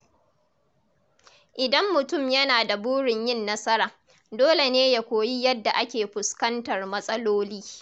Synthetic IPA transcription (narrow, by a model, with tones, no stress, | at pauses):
ʔɪ˨dɐ˦mːʊ˨tʊ˦˨mjɐ˦naː˨da˨buː˦ɽɪ˨ɲjɪ˦˨nːɐ˦sɐ˦ɾaː˨ | doː˦le˨neː˦ja˨kʷoː˨ji˦jɐ˦dːa˨ʔa˦kʲeː˨ɸʊ˨skɐ˦ntɐ˨rmɐ˦sʼɐ˦loː˦liː˦